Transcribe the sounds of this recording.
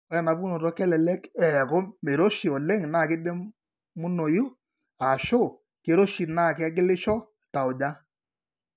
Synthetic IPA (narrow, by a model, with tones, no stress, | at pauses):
ɔ˦jɛ˨na˨bu˦nɔ˨tɔ˦kɛ˦lɛ˨lɛ˦kɛ˨kɔ˦me˨ɾo˦ʃi˨ɔ˨lɛ˦ŋna˦˨kɪ˦dɛ˦ | mʊ˦no˨jʊ˦ | a˨ʃo˦˨ | ke˨˦ɾo˦ʃi˨na˦˨kɪ˦a˦ɡɪ˦lɪ˦ʃɔ˦ | ta˨ʊ˨d͡ʒa˦